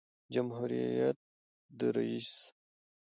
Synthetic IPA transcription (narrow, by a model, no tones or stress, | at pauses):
d͡ʒamɦuɾijat̪̚ | d̪əɾa̰is